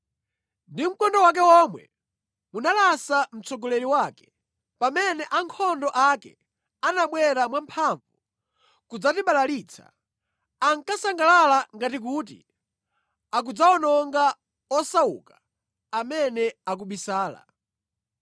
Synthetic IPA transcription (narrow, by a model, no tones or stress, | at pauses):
ndim̩kɔndɔwak̬ɛwɔmwɛ̰ | munalasam̩t͡sɔɡɔlɛɾiwaːkɛ̥ | pamɛnɛʔaŋkʰɔndɔʔakɛ̰ | anaɓwɛɾamwampʰaɱvu | kud͡zatiɓalaliːt͡sʰa̰ | aŋkasaŋɡalalaŋɡatik̬ut̬ḭ | ak̬ud͡zaɔnɔŋɡa | ɔsaṵkḁ | amɛnɛak̬uɓisaːla̰